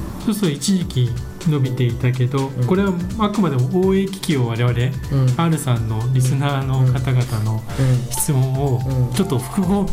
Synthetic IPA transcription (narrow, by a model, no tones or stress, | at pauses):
sosoit͡ɕiʑikʲi | no̞bʲit̪e̞it̪ak̬e̞d̪o̞ko̞ɾe̞βaakɯ̟mad̪e̞mo̞oːeːkʲi̥kʲioβaɾe̞βaɾe̞aɾɯ̟sãnːo̞ɾʲisɨnaːno̞kat̪aɡat̪ano̞ | çi̥t͡sɨmõ̞ɰ̃ot͡ɕo̞t̪ːo̞ɸɯ̟̥kɯ̟ɡo̞ː